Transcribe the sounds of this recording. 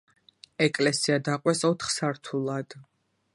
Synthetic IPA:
ɛkʼlɛsiad̪aqʼwɛsɔt̪ʰχsaɾt̪ʰulˠad̪̥

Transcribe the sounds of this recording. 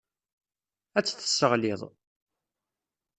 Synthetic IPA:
æt͡sːθə̥sːəʁlɪðˤ

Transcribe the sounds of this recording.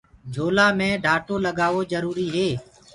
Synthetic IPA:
d͡ʒʱoːlaːmẽːɖʱaːʈoːləɠaːʋoːd͡ʒəɾuːɾiːɦeː

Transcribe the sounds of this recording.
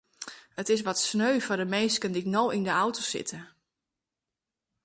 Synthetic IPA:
ətɪs̬ʋɔtsnøːɥfɔdəmeːskəndiknowindəawtosɪ̰tʰə

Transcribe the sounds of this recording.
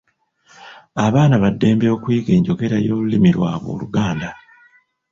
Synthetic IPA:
aβaːnaβadːe̞ːmbeokwiːke̞ːɲɟo̞ɡe̞ɾajoːlulimiɾwa̰ːβo̰ːluɡaːnda

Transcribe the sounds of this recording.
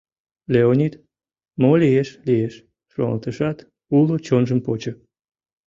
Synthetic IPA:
leonʲit̪ | molieʃlieʃ | ʃo̰ŋɑ̰lt̪əʃɑt̪ | ulot͡ɕonʒəmpot͡ɕə

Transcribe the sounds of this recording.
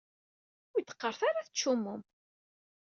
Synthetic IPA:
ʊjt̪ːə̥qːəɾˤθaɾaθət͡ʃːumːʊm

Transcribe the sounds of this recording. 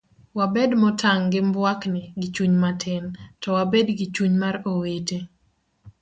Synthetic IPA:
wabedmɔtʰaŋɡɪmbwaknɪɡɪt͡ʃuɲmatʰɪntɔwabedɡɪt͡ʃuɲmaɾowete

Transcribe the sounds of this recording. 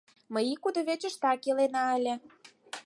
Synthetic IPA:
məjikud̪oβet͡ɕə̆ʃt̪ɑkelenɑəlʲĕ

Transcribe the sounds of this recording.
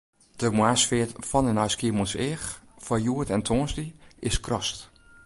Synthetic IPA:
d̥əmwaːsfɪətfɔnənaɥskiəmɔnsɪːxfɔjuətɛntʰoːnsdiɪskʰrɔst

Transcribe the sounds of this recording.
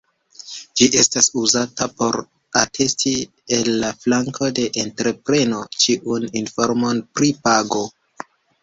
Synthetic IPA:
d͡ʒiʔe̞stasuzatapo̞ɾ | atʰe̞sti | elːaflaŋkʰo̞de̞ʔentɾe̞pɾe̞no̞t͡ʃiʔuninfo̞ɾmo̞npɾipaɡo̞

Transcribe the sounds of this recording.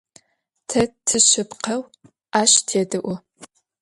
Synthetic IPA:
tʰɐtʰɨɕɪpqʰɐw | aːɕtʰeːdɨʔʷʊ

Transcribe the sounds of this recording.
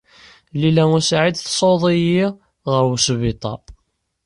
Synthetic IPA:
lilæŋʊsʕid̪θsˤoðˤiji | ʁəɾwəsvɪt̪ˤɑ̰

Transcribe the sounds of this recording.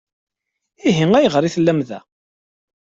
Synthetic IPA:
iɦiŋæjʁəɾiθəlːæmðæ̰

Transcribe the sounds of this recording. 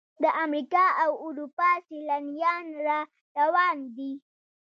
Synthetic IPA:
d̪əʔamɾikɑawʊɾupɑsilanijɑnɾa | ɾawɑnd̪i

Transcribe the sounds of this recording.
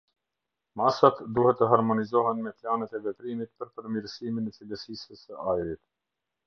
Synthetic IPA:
masat̪d̪uhɛt̪ːəɦaɾmɔnizɔɦɛnmɛplanɛt̪ɛvɛt̪ɾimit̪̚pəɾpəɾmiɾsiminɛt͡siləsisəsəajɾit̪

